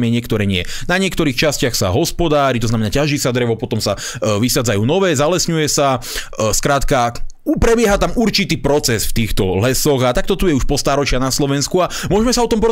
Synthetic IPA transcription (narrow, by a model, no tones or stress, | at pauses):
mjɛɲɪɛkt̪ɔɾɛɲɪɛ̰naɲɪɛkt̪ɔɾiːxt͡ʃascɪaxsa̰ɦɔspɔd̪aːɾit̪ɔznamɛnaːcaʒiːsad̪ɾɛʋɔpɔt̪ɔmsa | ʋixaːd͡zajuːnɔʋɛːzalɛsɲujɛsa | skɾaːt̪ka | pɾɛbɪɛɦat̪amuɾt͡ʃit̪iːpɾɔt͡sɛsft̪iːxt̪ɔlɛsɔɣat̪ak̚t̪ɔt̪ujɛuʃpɔst̪aːɾɔt͡ʃɪanaslɔʋɛnskuamʊɔʒɛmɛsaɔt̪ɔmpɔɔ